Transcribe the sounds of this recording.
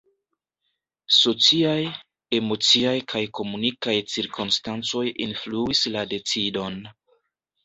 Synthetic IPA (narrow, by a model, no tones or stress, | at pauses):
so̞t͡siaj | e̞mo̞t͡siajkʰajko̞munikajt͡siɾkʰonstant͡so̞jḭnfluislade̞t͡sido̞n